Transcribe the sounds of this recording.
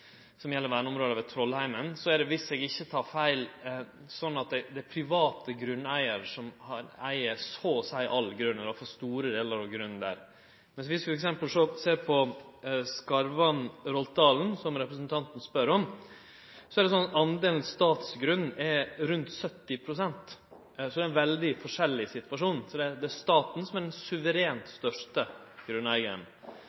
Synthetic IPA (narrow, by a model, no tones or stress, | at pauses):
sɔmjɛlːəɾʋæːɳəɔmɾoːd̪ɑʋɛt̪ʰɾɔlːhæɪmənsɔæɖɛʋɪsɛɡɪçːət̪ʰɑːɾfæɪl | sɔnːɑt̪̚d̪æɪd̪ɛæpʰɾɪʋɑːt̪əɡɾʉnːæɪəɾʂɔmhɑɾæ̰ɪəsɔsæɪʔɑlɡɾʉnːəɾɑfɔst̪uːɾəd̪eːləɾɑʋɡɾʉnːnd̪æ̰ɾ | mɛnsʋɪsʋɪfɔɾɛksɛmpəlsɔseːɾpʰɔskɑɾʋɑnɾɔlt̪̚d̪ɑːln̩sɔmɾɛpɾəsnt̪ʰɑnt̪n̩spœɾɔm | sɔæɾɖɛs̬ɔnɑt̪ɑnd̪eːln̩st̪ɑːt̪sɡɾʉnːɛɾʉnt̪sœt̪ːɪpʰɾʊsɛnt̪ | sɔd̪ɛɪnʋɛld̪ɪfɔʂɛlːɪsɪt̪ʋɑʂuːnsɔd̪ɛd̪ɛæʂt̪ɑːt̪n̩sɔmæɖɛnsʉʋəɾeːnt̪st̪œʂʈə | ɡ̥ɾʉnːæɪɡən